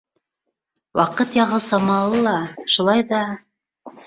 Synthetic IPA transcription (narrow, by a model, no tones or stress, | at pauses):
wɑqɤt̪jɑʁɤsɑmɑlˠɤlˠɑʃulˠɑjðɑ